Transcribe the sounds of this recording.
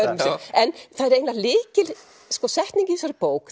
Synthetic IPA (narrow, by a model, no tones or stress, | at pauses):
ɾmsɪɛnθaðɛɾejnlalɪːcɪl | skɔsɛht̪niɲcɪsaɾɪpoːwk